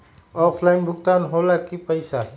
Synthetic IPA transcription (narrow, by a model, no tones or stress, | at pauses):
ɔpʰlaɪnbʱʊɡt̪anɦolakipəjsa